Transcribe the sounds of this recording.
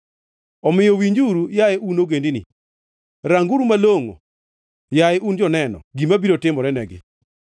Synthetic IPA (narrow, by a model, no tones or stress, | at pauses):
ɔmɪjɔwiɲd͡ʒuɾujaɛʔunoɡendinḭ | ɾaŋɡuɾumaloŋo̰ | jaɛʔund͡ʒɔnɛnɔ̰ɡimabiɾotɪmɔɾɛnɛɡɪ̰